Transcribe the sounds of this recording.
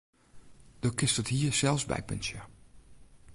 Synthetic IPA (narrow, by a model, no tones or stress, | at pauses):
d̥okɪstəthiːəsɛlˠfsbɛ̰jpʏ̰nsjə